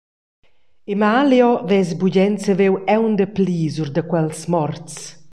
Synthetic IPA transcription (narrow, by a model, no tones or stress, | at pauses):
imaljɔvɛzbuɟɛnt͡səvewɛwnd̪əpliːzurd̪əkwɛlsmɔrt͡s